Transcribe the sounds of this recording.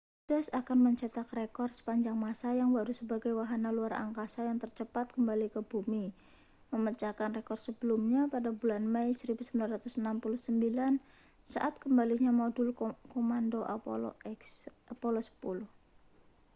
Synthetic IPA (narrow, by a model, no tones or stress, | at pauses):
d̥asakanməɲt͡ʃat̪akrekɔrsə̥paɲd͡ʒaŋmasajaŋbaɾusəbaɡajwaɦanaluara̰ŋkasajaŋt̪ərt͡ʃəpat̪̚kəmbalikəbumi | məmət͡ʃakanrekɔrsəbəlumɲapadabulanmajsəɾibusəmbilanrat̪usnampuluhsəmbilan | sa̰ʔat̪̚kəmbaliɲamodʊlkomandoʔa̰l̰ks | apolosə̥pulʊh